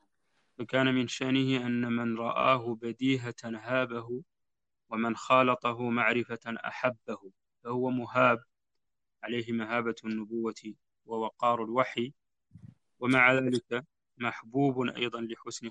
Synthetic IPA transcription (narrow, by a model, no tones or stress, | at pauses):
fakaːnamɪnʃaʔnɪhɪʔanːamɪnɾˤɑʔa̰ːɦʊbad̪iːɦanɦaːbaɦʊ | wamanxɑːlɑt̪ˤɑɦʊmaʕɾɪfaʔa̰ħabːahʊ | fahʊwamʊɦaːb̚ | ʕalajɦɪmaɦaːbanːʊbʊwːa | wawɑqɑːɾˤalwaħi | wamaʕaðaːlɪka | maħbuːbʔɑ̰jd̪ˤɑnlɪħʊsnɪ